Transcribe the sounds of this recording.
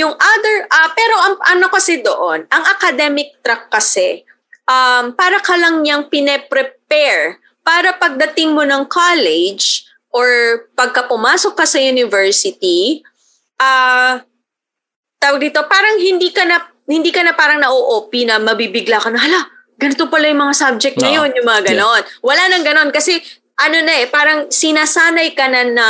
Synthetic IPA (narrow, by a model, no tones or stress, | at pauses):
jʊŋʔad̪ɛɹʔɐpɛːɾo̞ʔɐŋʔɐno̞kɐsɛd̪oʔonʔɐŋʔɐkɐd̪ɛmɪk̚t̪ɾɐkːɐsɛ | ʔampaːɾɐkɐlɐŋɲɐŋpɪnɛpɾɛpɛɹ | paːɾɐpɐɡ̚d̪ɐt̪ɪŋmonɐŋkʰalɛd͡ʒ | ʔoɹpɐɡ̚kɐpʊmaːso̞kːɐsɐjunɪvɛɹsɪt̪i | ʔa | t̪aːwɐɡ̚d̪iːt̪o̞paːɾɐŋɦɪnd̪iːkɐnɐ | hɪnd̪iːkɐnɐpaːɾɐŋnɐʔoʔoːpinɐmɐbibɪɡlakɐnɐhɐla | ɡɐnɪt̪opɐlajʊŋmɐŋasab̚d͡ʒɛk̚t̪nɐjo̞njʊŋmɐŋaɡɐno̞nwɐlanɐŋɡɐno̞nkɐsɛ | ʔɐno̞nɐʔɛpaːɾɐŋsɪnasaːnɐjkɐnɐnɐ